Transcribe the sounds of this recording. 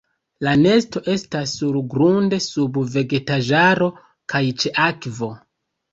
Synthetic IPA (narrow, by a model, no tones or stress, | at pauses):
lane̞sto̞ʔe̞stasːuɾɡɾunde̞subve̞ɡe̞taʒaɾo̞ | kajt͡ʃe̞ʔakvo̞